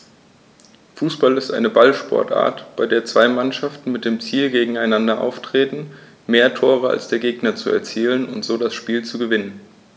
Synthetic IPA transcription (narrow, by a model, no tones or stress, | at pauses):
fuːsb̥alɪstʔa̰ɪnəbalʃpʰɔ̰ɐtʔa̰ːɐtb̥aɪdeːɐt͡sv̥aɪmanʃaftn̩mɪt̚d̥eːmt͡siːlɡeːɡŋ̩aɪnandɐʔa̰ʊftʁ̥eːtn̩ | meːɐtʰoːʁ̞əa̰lsd̥eːɐɡeːɡnɐt͡suɛɐt͡siːlənʊ̰ntz̥oːdasʃpiːlt͡suɡəvɪnən